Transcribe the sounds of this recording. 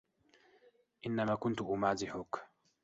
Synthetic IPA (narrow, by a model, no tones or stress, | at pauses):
ʔɪnːamaːkʊnt̪ʊʔʊmaːzɪħʊk